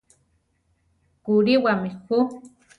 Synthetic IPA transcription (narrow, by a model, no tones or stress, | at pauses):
kuɾiwamixu